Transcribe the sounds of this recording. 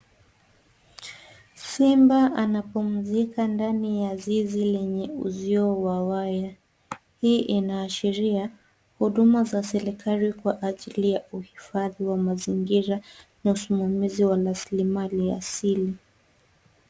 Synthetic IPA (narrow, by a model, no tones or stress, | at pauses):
simbaʔanapum̩zikandanijazizilɛɲɛuziɔwawaja | hiːʔinaːʃiɾia | huɗumazasɛɾikʰalikwaʔaʄilijauhifaðiwamaziŋɡiɾanausumamiziwalaslimalia̰sili